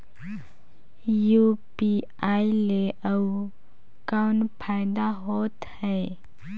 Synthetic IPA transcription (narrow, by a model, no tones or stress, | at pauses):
juːpi | aːileʔə | kaʊnpʰaːɪd̪aɦoːt̪hɛː